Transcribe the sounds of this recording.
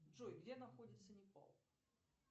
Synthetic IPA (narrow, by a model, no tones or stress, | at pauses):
ʐɔjɡlʲɛnaxɔd͡zʲit̪sːənʲɪpa̰lˠ